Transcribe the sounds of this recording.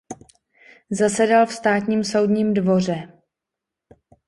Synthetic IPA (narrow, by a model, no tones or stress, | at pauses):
zasɛdalfst̪aːt̪ɲiːmso̞wdɲiːmdvo̞r̝ɛ